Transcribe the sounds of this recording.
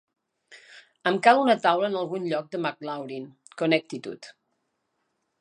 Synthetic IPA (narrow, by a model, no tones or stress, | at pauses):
əmkalunət̪awləːnəlˠɣunʎɔk̚d̪əmak̚lawɾin | konək̚t̪it̪ṵt̪